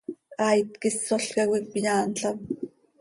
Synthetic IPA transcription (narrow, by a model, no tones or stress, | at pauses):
ɑjt̪kɪsːoɬkɑkʷik̚pjɑːnɬam